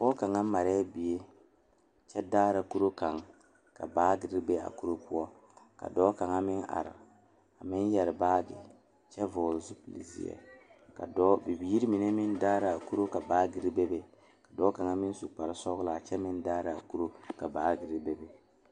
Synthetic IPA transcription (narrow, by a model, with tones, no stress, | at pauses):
bɔː˦ka˨ŋa˦ma˨ɾɛ˦a˦bi˨e˦ | t͡ʃɛ˦daː˦ɾa˨ku˦ɾo˦ka˨ŋ | ka̰˨baː˦ɡɪ˨ɾi˦be˦a̰˨ku˦ɾo˦pʊ˦ɔ˦ | ka̰˨dɔː˨˦ka˨ŋa˦mɪ˦na̰˨ɾɪ̰˨ | a˨mɪ˦njɛ˨ɾɪ˨baː˦ɡɪ̰˨ | t͡ʃɛ˦vɔː˨lzu˦pi˨lḭ˨zḭ˦ɛ̰˨ka̰˨dɔ˦bi˨bi˨ji˦ɾi˦mi˨ne˦mɪ˦ndaː˦ɾa˨a˨ku˦ɾo˦ka˨baː˦ɡɪ˨ɾi˦be˦be˨ | ka˨dɔː˦ka˨ŋa˦mɪ˦n˦su˨k͡pa˨ɾɪ˦sɔ˦ɡʊ˦la˨t͡ʃɛ˦mɪ˦ndaː˦ɾa˨a˨ku˦ɾo˦ka˨baː˨˦ɡɪ˨ɾi˦be˦be˦